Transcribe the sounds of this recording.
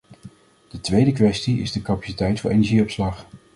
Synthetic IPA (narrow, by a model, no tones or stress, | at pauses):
d̥ətʋejdəkʋɛstiɪ̰zdəkapḁsitɛjtfʊːɹʔḛjnɛɹʒiɔpslɑχ